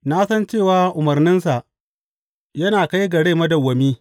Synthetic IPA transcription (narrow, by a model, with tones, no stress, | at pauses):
na˦sɐ˦nt͡ʃeː˦˨waː˦ʔʊ˨mɐ˨rnɪ˦nsa˨ʔ | jɐ˦naː˨ka˦jɡɐ˨ɽeː˦˨mɐ˦dɐ˨wːɐ˨miː˦